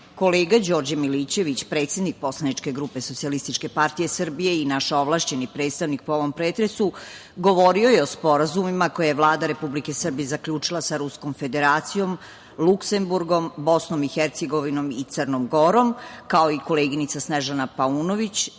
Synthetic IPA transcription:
ko̞leːɡad͡ʑoɾd͡ʑamilit͡ɕe̞ʋit͡ɕpɾe̞ːt̪sjed̪nik̚po̞slˠanit͡ʃke̞ɡɾupe̞sot̪sialist̪it͡ʃke̞paɾt̪ije̞sər̩bije̞inaʃoʋlˠaʃt͡ɕe̞nipɾet̪st̪aʋnik̚poo̞ʋo̞mpɾeːt̪ɾe̞su | ɡo̞ʋo̞ɾiojeo̞spo̞ɾazumimako̞jajeʋlˠaːd̪aɾe̞publike̞sər̩bijezakʎuːt͡ʂilˠasaɾusko̞mfe̞d̪eɾaːt̪sijo̞m | lˠukse̞mbuɾɡo̞mbo̞sno̞mixeɾt̪seɡo̞ʋino̞mit̪sərnomɡo̞ɾo̞mkao̞iko̞leːɡinit̪sasneʒanapauːnoʋit͡ɕ

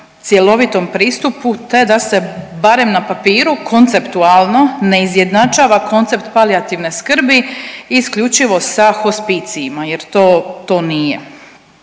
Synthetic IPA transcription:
t̪sje̞lˠo̞ʋit̪o̞mpɾiːst̪uput̪e̞d̪ase̞baɾe̞mnapapiːɾukʰo̞nt̪se̞pt̪ualˠno̞ne̞izje̞d̪nat͡ʃaːʋako̞nt̪se̞pt̪paliat̪iʋneskr̩biiskʎut͡ʃiʋo̞saxospit̪siimaje̞ɾt̪oːt̪o̞ːnije

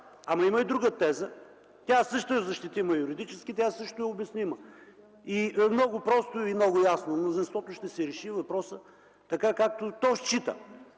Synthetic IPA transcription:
ɐmɐiməid̪ɾuɡət̪ɛzə | t̪ʲasɤʃt̪ʊɛzɐʃt̪it̪iməjuɾid̪it͡ʃɛskit̪ʲasɤʃt̪ʊɛʊbɛsnimə | iɛmnɔɡʊpɾɔst̪ʊimnɔɡʊjasnomnʊzinst̪vɔt̪ʊʃt̪ɛsɛɾɛʃivɐpɾɔsə | t̪ɐkakak̚t̪ot̪ɔʃt͡ʃit̪ə̰

